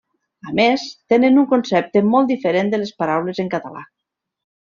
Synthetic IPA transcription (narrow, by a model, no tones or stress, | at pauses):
amest̪enenuŋkonsɛp̚t̪emɔlˠd̪ifeɾend̪əlespaɾawlezeŋkat̪ala̰